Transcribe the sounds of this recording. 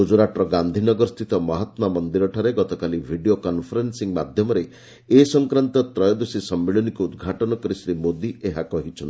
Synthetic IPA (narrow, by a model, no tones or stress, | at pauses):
ud͡ʒuɾaʈɾɔɡand̪ʱinɔɡɔɾst̪it̪ɔmɔɦɔt̪mamɔnd̪iɾɔʈʰaɾeɡɔt̪ɔkalibʱiɖijokɔnpʰɔɾensiŋmad̪ʱjɔmɔɾe | esɔŋkɾant̪ɔt̪ɾɔjɔd̪usisɔmːeɭɔnikuːd̪ɡʱaʈɔnɔkɔɾisɾimod̪iʔeɦakɔɦit͡ʃʰɔn